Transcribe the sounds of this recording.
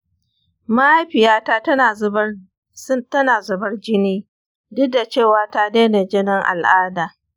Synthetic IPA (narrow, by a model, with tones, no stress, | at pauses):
ma˦ʔa˦jɸɪ˨jaː˦taː˦ɐ˦˨˦ | tɐ˦naː˨zʊ˨bɐ˦rd͡ʒɪ˦niː˦ | dʊ˦da˨t͡ʃeː˦˨waː˦ta˦deː˦ne˨d͡ʒɪ˦nɪ˦ŋʔa̰˨lʔaː˦daː˨